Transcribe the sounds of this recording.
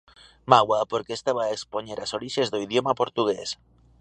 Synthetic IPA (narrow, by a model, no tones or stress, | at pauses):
maɣwapoɾkest̪aβaekspoɲeɾasoɾiʃezðoiðjomapoɾt̪uɣ̞es